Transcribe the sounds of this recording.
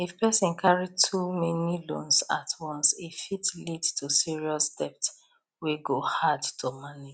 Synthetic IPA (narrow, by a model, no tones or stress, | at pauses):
ifpɛsĩnkʰaɹitʰumɛnilõ̰nsa̰tʰwɔ̃nsefitledtʰusiɹiɔsd̥ɛpt | wiɡohadtʰomanid͡ʒ